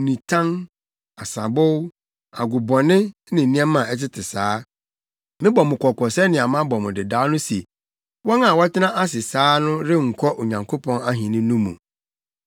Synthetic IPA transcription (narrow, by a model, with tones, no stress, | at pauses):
nĩ˨tʰã˦ŋ | a˨sa˨bʊ˦w | a̰˨ɡʊ˨bɔ˨nɪ̃˦nɪ̃˨nĩ˦ɛ̃˦mã˨ɛ˦tɪ˦tʰɪ˨saː˨˦ | nɪ̃˦bɔ˨mʊ̃˨kʷʰɔ˨kʰɔ˨sɛ˦nɪ̃˨a˨mã˦bɔ˨mʊ̃˨dɪ˨daː˨˦nʊ̃˦se˨ | wɔ˦ŋã˨wɔ˦tɪ˦nã˦ʔa˦s̬ɪ˨saː˦nʊ̃˦ɾɪ˦ŋ̩˨kʰɔ˦ʔo˨ɲã˨ŋkʰo˦pʰɔ̃˦na˦ɦĩ˨nɪ̃˦nũ˦mṵ̃˨